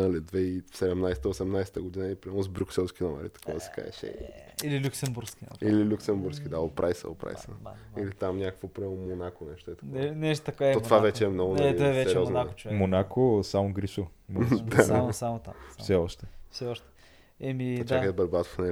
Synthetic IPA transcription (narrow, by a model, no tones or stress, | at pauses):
ɐlid̪vɛifsɛd̪ɛmnajsɛt̪əosɛmnajsɛ̥t̪əɡod̪inəipɾiazbɾʲuksɛlˠskʲinɔmɛ̰ɾit̪ɐ̥kʰɔvəsɛ̥ka̰ɛ̰ʃɛ̰ɲ̰ililʲuksɛmbuɾskʲḭililʲuksɛmbuɾsk̟id̪aopɾʔajsə̰o̰pɾa̰jsəilit̪amɲʲakəkvopɾiɛlˠmːonakonɛʃt̪oɛt̪ɐkɔɛnɛʃt̪t̪ɐkoɔt̪ovavɛt͡ʃɛːmnɔɡʊnɔɛvɛsɛɾɾiɔmnnako̥t͡ʃomonakʰosamoɡɾisʊ | md̪amsamot̪a̰mfsɛɔʃt̪ɛfsɛɔʃt̪ɛ̥ | ɛmit͡ʃakkəd̪əbɐɾbat̪ofnɛ